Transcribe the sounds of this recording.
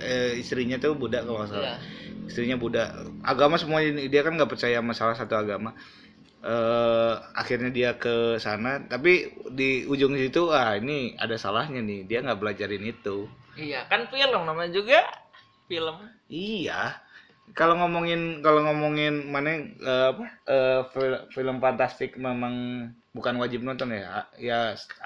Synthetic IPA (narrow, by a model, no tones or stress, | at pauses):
əist̪ɾiɲat̪ubudaʔkalomasalaist̪ɾiɲabudaʔa̰ɡamasəmuadiakanŋɡaʔpərt͡ʃajamasalahsat̪uaɡama | ə | a̰xirɲadiakəsanat̪apidiud͡ʒʊŋisit̪uainia̰dasalahɲanɪhdiaŋɡaʔbəlad͡ʒaɾɪnit̪uijakanfiləmnamaɲd͡ʒuɡa | filəm | ija | kaloŋomoŋɪnkaloŋomoŋɪnmanaəapaʔəfiləfiləmfant̪ast̪ɪk̚memaŋ | bukanwad͡ʒɪp̚nɔnt̪ɔnaja